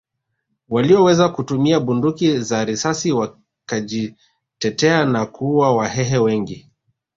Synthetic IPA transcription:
waliɔwɛzakutumiaɓundukizaɾisasiwa | kaʄi | tɛtɛanakuwawaɦɛɦɛwɛŋɡi

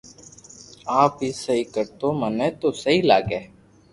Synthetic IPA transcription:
aːpɦiːsəɦiːkəɾt̪oːməneːt̪oːsəɦiːlaːɡeː

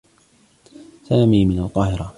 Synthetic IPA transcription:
saːmiːmɪnalqɑːhɪɾa

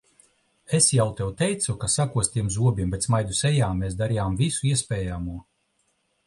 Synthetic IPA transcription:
esjawt̪ɛwt̪ɛjt̪sukasakuɔst̪ʲiɛmzuɔbʲiɛmbet̪smajd̪usɛjaːmeːsd̪aɾijaːmvisuiɛspʲɛːjamuɔ

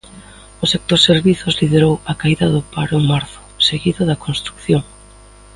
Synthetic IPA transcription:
ʊsak̚t̪oɾseɾβiθʊzlið̞eɾowakaiðɐðʊpaɾomaɾθʊ̥seɣiðʊðɐkonst̪ɾukθjoŋ

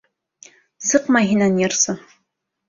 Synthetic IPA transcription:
sɨqmaɦinanjɛrsɨ

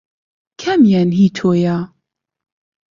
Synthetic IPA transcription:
kʰɛmjɛnɦiːt̪ʰoːja

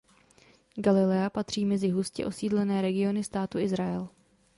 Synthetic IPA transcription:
ɡalɪlɛapat̪r̝̥iːmɛzɪɦuscɛ̰ʔo̞siːdlɛnɛːɾɛɡɪo̞nɪst̪aːt̪uʔɪzɾaɛl

